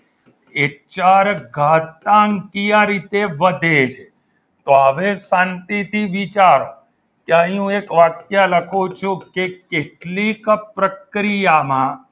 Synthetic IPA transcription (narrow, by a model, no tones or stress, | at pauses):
et͡ʃaɾɡʱat̪aŋkijaɾit̪eʋəd̪ʱet͡ʃʰe | t̪oəʋesãnt̪it̪ʰiʋit͡ʃaɾo | keəɦiũekʋakjaləkʰut͡ʃʰũkekeʈlikpɾəkɾijamã